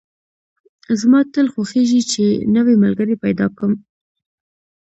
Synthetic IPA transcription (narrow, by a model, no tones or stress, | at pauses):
zmɑt̪əlxwaxeʒit͡ʃenəweməlɡəɾepajd̪ɑ̰kəm